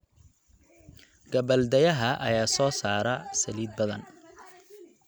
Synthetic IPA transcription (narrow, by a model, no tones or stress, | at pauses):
ɡ̥ɐbɐld̪ɐjɐɦɐʔɐ̰jaːsɔːsaːɾɐsɐliːd̪̚bɐðɐ̰n